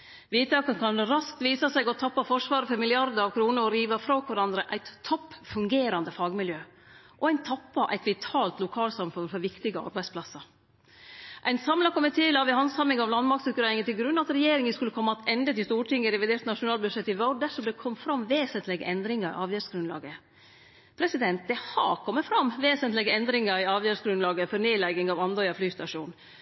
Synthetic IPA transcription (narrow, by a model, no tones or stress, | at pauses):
ʋiːt̪ʰɑːkənkʰɑnɾɑsk̚t̪ʋiːsɑsɛɪɡɔt̪ʰɑpːɑfɔʂʋɑːɾəfɔɾmɪlɪɑɾd̪əɾɑʋkʰɾuːnəɾɔɾiːʋɑfɾoːkʰʋɑɾɑnd̪ɾəʔæɪt̪ʰːɔpːfʉŋɡeːɾɑnd̪əfɑːɡmɪljøː | ʔɔæɪnt̪ʰɑpːɑʔæɪt̪ʋɪt̪ʰɑːlt̪lʊkʰɑːlsɑmfʉnfɔɾʋɪkt̪ɪɡəɑ̰ɾbæɪspʰlɑsɑɾ | ʔæɪnsɑmlɑkʰɔmət̪ʰːɪlɑʋɪhɑnsɑmːɪŋɑʋlɑnmɑɾk̚t̪sʊkʉɾɛːɾɪŋət̪ɪlɡɾʉnːɑt̪ɾɛjeːɾɪŋənskʉlːəkʰɔmːɑɑt̪ɛnd̪ət̪ɪlst̪uːʈʰɪŋːəɾɛʋɪd̪eːɾt̪nɑʂʊnɑːlbʉd̪ʂɛt̪ːɪʋɔd̪æʂɔmd̪ɛkʰɔmːfɾɑmʋeːsənt̪lɪɡə̰ʔɛnd̪ɾɪŋɑɾɪ̰ʔɑːʋjøːɾsɡɾʉnlɑ̰ːɡə | pʰɾɛsɪd̪ɛnt̪̚d̪ɛhɑ̰kʰɔmːət̪fɾɑmʋeːsənt̪lɪɡəɛnd̪ɾɪŋɑɾɪɑːʋjøːɾʂɡɾʉnlɑːɡəfɔneːlɛɡɪŋɑʋɑnd̪ɔʏɑflyːst̪ɑʂṵːn